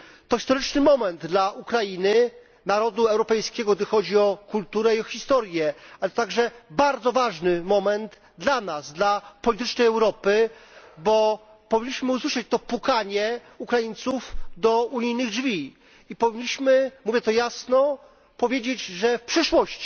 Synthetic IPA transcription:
t̪ɔxʲist̪ɔɾɘt͡ʂnɘmɔmɛnd̪d̪laʔukɾajinɘ | naɾɔd̪uɛwɾɔpɛjskʲɛɡɔɡ̚d̪ɘxɔd͡ʑiɔkult̪uɾɛiɔxʲist̪ɔɾjɛalɛt̪t̪aɡʐɛbaɾd̪zɔvaʐnɘmɔmɛnd̪ | d̪lanazd̪lapɔlʲit̪ɘt͡ʂnɛjɛwɾɔpɘbɔ | pɔvʲiɲːiɕmɘuswɘʂat͡ɕt̪ɔpukaɲɛ | ukɾajint̪sufd̪ɔuɲijnɘɣɖd͡ʐvʲi | ipɔvʲiɲːiɕmɘmuvʲjɛt̪ɔjasnɔ | pɔvʲjed͡ʑed͡ʑʐɛfpʂɘʂwɔɕt͡ɕi̥

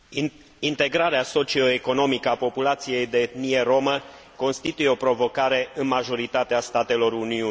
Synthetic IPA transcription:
int̪e̞ɡɾaɾeaso̞t͡ʃio̞eko̞no̞mikəapo̞pulat̪sije̞jd̪e̞ːt̪nije̞ɾo̞mə | ko̞nst̪it̪ujeo̞pɾo̞vo̞kaɾe̞ɨnmaʒo̞ɾit̪at̪east̪at̪e̞lo̞ɾuniu

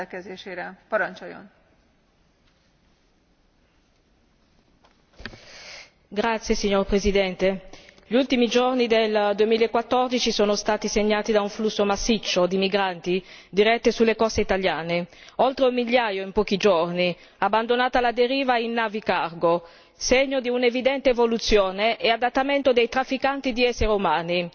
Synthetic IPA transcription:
kɛzeːʃeːɾɛpɔɾant͡ʃojo̰n | ɡɾat̪sːjesiɲːorpɾezid̪ɛnt̪eʎiult̪imid͡ʒornid̪eld̪uemiːlaekːwat̪ːord̪it͡ʃisoːnost̪aːt̪iseɲːaːt̪id̪auɱflusːomasːit͡ʃːod̪imiɡɾant̪id̪iɾɛt̪ːesulːekɔst̪eit̪aljaːneolt̪ɾeumːiʎːaːjoimpɔːk̟id͡ʒorni | abːand̪onaːt̪alad̪eɾiːvainːaːvikarɡo | seɲːod̪iunevid̪ɛnt̪eːvolut̪sːjoːneʔead̪at̪ːament̪od̪ejt̪ɾafːikant̪id̪iɛsːeɾeumaːni

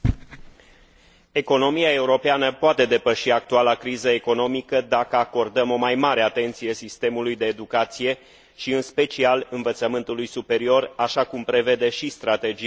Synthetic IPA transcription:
e̞ko̞no̞miae̞uɾo̞peanəpoat̪e̞d̪e̞pəʃiak̚t̪ualakɾizəe̞ko̞no̞mikəd̪akəako̞rd̪əmo̞majmaɾe̞at̪e̞nt̪sije̞sist̪e̞mulujd̪e̞ːd̪ukat̪sije̞ | ʃiɨnspe̞t͡ʃialɨnvət̪səmɨnt̪ulujsupe̞ɾio̞raʃakumpɾe̞ve̞d̪e̞ʃist̪ɾat̪e̞d͡ʒi

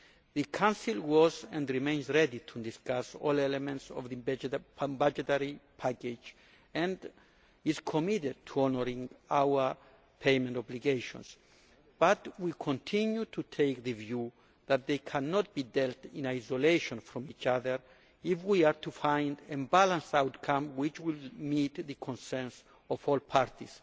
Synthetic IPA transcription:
ðɨkʰãnsilwɔzɛ̃ndɹimẽɪ̃nzɹɛditʰudiskasɔ̰lɛlɛmɛ̃ntsɔ̰vðɨ | bad͡ʒɛtɛɹipʰæked͡ʒ | ɛ̃nd | iz̥kʰɔmiɾɪd̚tʰuɔnəɹĩŋawə˞ | pʰemɛ̃ntɔbliɡeɪʃɔ̰̃ns | b̥atwikʰɔ̃ntʰĩnjutʰutʰeɪk̚ðɨvju | ðat̪̚ðejkʰænɔt̚b̥idɛltĩnajsɔleɪʃɔ̃nfɾɔ̃mit͡ʃaðə˞ | ifwiaɹtʰufãɪ̃ndɨ̃mbalãnsawtkʰãmwɪt͡ʃwilmit̪ðɨkʰɔ̃nsɛns | ɔvɔlpʰaɹtis

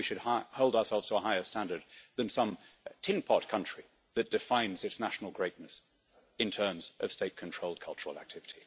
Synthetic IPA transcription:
iʃɨd̚hahoʊlˠdaʊə˞sɛlˠvz̥tʰəəɦaɪə˞stæ̃ndə˞d̪̚ðɨ̃nsʌ̃mtʰɪ̃npʰɑt̚kʰʌ̃nt͡ʃɹ̥i | ðɨt̚d̥ɨfãɪ̃nzɨtsnæʃn̩l̩ˠɡɹeɪtⁿnɨs | ɨ̃ntʰɜ̃˞mzʔʌ̰v̥steɪt̚kʰn̩tʰɹ̥oʊlˠd̚kʰʌlˠt͡ʃə˞l̩ˠæ̰k̚tʰɪvɨɾʰi

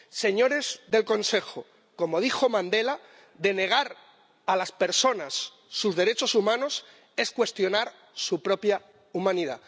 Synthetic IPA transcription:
se̞ɲo̞ɾe̞zðe̞lko̞nse̞xo | ko̞mo̞ð̞ixo̞mãnd̪e̞la | ðe̞ne̞ɣ̞aɾ | alaspe̞ɾso̞nasː | uzðe̞ɾe̞t͡ʃo̞sumãno̞s | e̞skwe̞st̪jo̞naɾ | supɾo̞pja | umãniða̰

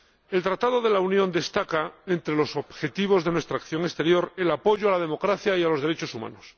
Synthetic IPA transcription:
e̞lt̪ɾat̪aðo̞ðe̞launjõ̞nd̪e̞st̪akaent̪ɾelo̞so̞bxe̞t̪iβ̞o̞zðenwe̞st̪ɾakθjo̞ŋest̪e̞ɾjo̞ɾe̞lapo̞ʝoalað̞e̞mo̞kɾaθjaialo̞zðe̞ɾe̞t͡ʃo̞suma̰nos

